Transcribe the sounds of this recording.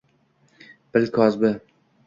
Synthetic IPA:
b̥ɪlkʰɒzbɪ

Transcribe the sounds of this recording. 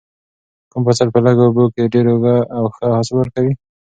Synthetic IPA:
kumpasalpəlaɡobokeɖeɾoɡaːwxəhɑsbəɾkawi

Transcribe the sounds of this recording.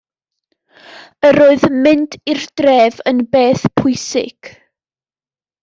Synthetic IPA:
əɾoːɨðmɪntʰɪrd̥rɛːvənbeːθpʰʊjsɪ̰ɡ̥

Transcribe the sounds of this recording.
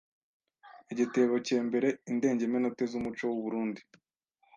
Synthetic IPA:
eɟiteːβoceːmbe̞ɾe̞inde̞ːɲɟemenote̞zumut͡ʃo̞wuβuɾuːndi

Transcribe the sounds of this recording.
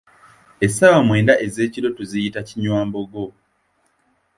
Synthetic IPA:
esawamwe̞ːndaʔeze̞ːciɾo̞tuzijitaciɲwaːmbo̞ɡo̞

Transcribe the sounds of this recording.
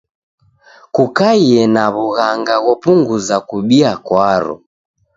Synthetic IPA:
kukaiɛnaβuɣaŋɡaɣɔpuŋɡuzakuɓiakwaɾɔ̰

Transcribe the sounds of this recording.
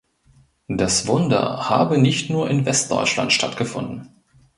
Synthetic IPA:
d̥asv̥ʊndɐ̰ha̰ːbənɪçtnuːɐʔɪnvɛst̚d̥ɔ̰ʏt͡ʃla̰ntʃtʰa̰tɡ̥əfʊ̰ndn̩

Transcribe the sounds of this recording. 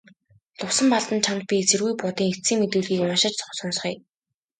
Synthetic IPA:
ɮʊwsə̆mpaɮt̪ə̆nt͡ɕʰant̪̚pʲit͡sĕrɣujpʊt̪iːŋet͡siːŋmet̪ɘ̆ːɮɣiːkʊnʃɪ̆t͡ɕt͡sɔ̥χsʊns̆χiː

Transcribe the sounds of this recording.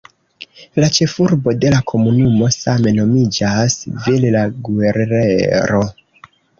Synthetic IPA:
lat͡ʃe̞fuɾbo̞de̞lakʰo̞munumo̞same̞no̞mid͡ʒasvillaɡue̞ɾnḛɾo̞

